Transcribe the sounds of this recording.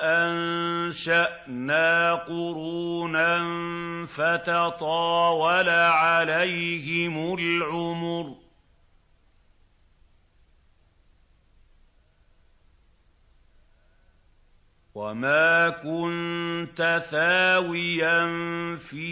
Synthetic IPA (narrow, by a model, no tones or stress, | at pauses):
ʔanʃaʔnaːqʊɾuːnanfat̪ɑt̪ˤɑːwɑlaʕalajhɪmʊlʕʊmʊɾ | wamaːkʊnt̪aθaːwɪjanfiː